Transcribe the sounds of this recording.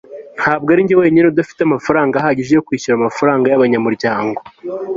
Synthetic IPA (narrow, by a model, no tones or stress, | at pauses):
n̥haːbɡaɾiɲɟewe̞ːɲinodafi̥teamafaɾaːŋɡaɦaɟeʒejokwiːçuɾamafaɾaːŋɡajaβaɲamuɾɟaːŋɡo